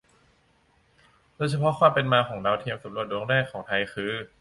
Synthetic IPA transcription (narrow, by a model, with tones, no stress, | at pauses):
doː˧jt͡ɕʰa˧pʰɔ˦˥kwaː˧˩mpe˧nmaː˧kʰɔː˩˦ŋdaː˧wt̪ʰi˧əmsa˨˩˦ɾu˧˩ət̪̚ɾoː˧˦ŋɾɛː˥˩kʰːɔː˩˦ŋt̪ʰa˧jxʰɯː˧˥